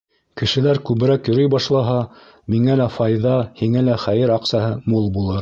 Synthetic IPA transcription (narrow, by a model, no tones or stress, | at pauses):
kɘ̆ʃɘ̆læɾkʉβɘ̆ɾækjŏɾɤjbɑʃlˠɑɦɑ | miŋælæfɑjðɑhiŋælæχæjɘɾɑqsɑɦɤmulˠbulˠɤɾ